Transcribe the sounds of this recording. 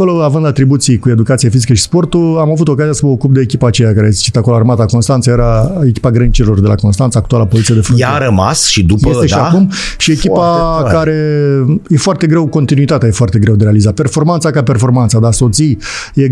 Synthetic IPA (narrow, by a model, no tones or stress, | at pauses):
ko̞lo̞avɨnd̪at̪ɾibut̪sijkue̞d̪ukat̪siefizikəʃi̥spo̞rt̪ulamavut̪o̞kazijasəməokup̚d̪eːkʲipaːt͡ʃe̞jakaɾejeset͡ʃit̪akoloarmat̪əko̞nst̪ant̪səjeɾaekʲi̥paɡɾənt͡ʃiɾilo̞rd̪e̞la̰ko̞nst̪ant̪səaːk̚t̪ualapo̞zit̪siad̪e̞fɾonaɾəma̰sʃid̪upe̞eʃiakumʃie̞kipakaɾe̞jefoart̪e̞ɡɾe̞wko̞nt̪inuit̪at̪eaje̞foart̪e̞ɡɾe̞wd̪eɾe̞alizape̞rfo̞rmant̪sakape̞rfo̞rmant̪sad̪easo̞t̪sije